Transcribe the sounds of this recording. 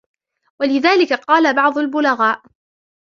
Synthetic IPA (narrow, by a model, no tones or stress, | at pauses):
walɪðaːlɪkaqɑːlabɑʕd̪ˤʊlbʊlaɣaːʔ